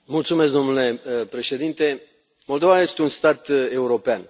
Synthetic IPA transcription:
mult̪sumeskd̪o̞nule̞pɾe̞ʃe̞d̪int̪e̞ | mo̞ld̪o̞vaje̞st̪eunst̪at̪e̞uɾo̞pean

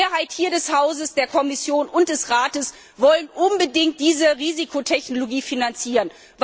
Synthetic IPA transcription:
ɐɦaɪthiːɐdɛshaʊzəsd̥eːɐkʰɔmɪsjoːnʊnt̚d̥ɛsʁaːtəs | vɔlənʔʊnbədɪŋt̚d̥iːzəʁiːzikʰotʰɛçnoloɡiːfinant͡siːʁən | v

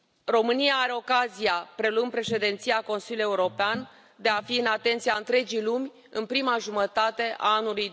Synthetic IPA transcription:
ro̞mɨnijaːɾe̞o̞kazijapɾe̞luɨnpɾe̞ʃe̞d̪e̞nt̪sijako̞nsiluje̞uɾo̞pean | d̪e̞afiɨnat̪e̞nt̪siaɨnt̪ɾe̞d͡ʒijlumʲ | ɨnpɾimaʒumət̪at̪e̞ʔa̰anuluj

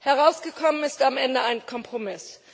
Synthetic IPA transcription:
hɛʁ̞aʊsɡ̥əkʰɔmənɪstamʔɛndəaɪnkʰɔmpʁ̥omɪs

